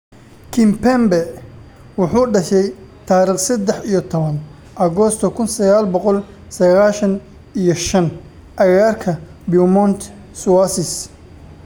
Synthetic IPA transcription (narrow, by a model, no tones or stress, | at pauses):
kʰɪmpʰɛmbɛ | wɑħuːɖɐʃɛjt̪ʰaːɾiːχsɐd̪ɛħijɔt̪ʰɔβɐn | ʔɐɣɔst̪ʰɔkʰʊnsɐɣaːlbɔqɔl | sɐɣaːʃɐn | ijɞʃɐn | ʔɐɣaːrkʰɐbiʊmɔnt̪ʰ | swasɪs